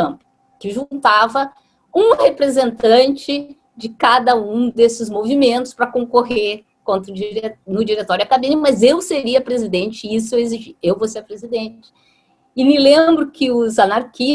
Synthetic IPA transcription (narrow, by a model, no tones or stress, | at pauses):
ɐ̃pʊ | kɪʒũt̪avɐ | ũhepɾezẽnt̪ɐ̃t͡ʃɪ | d͡ʒɪkad̪ɐũd̪esɪzmovimẽnt̪ʊspɾɐkõŋkoɦeɾ | kõnt̪ɾʊd͡ʒiɾenʊd͡ʒiɾet̪ɔɾʊɐkabĩnmɐzewseɾiɐpɾezid̪ẽnt͡ʃɪis̬ʊeweziʒiewvoseɾpɾezid̪ẽt͡ʃɪ̥ | ɪnɪ̃lẽmbɾʊkɪʊzanaɾki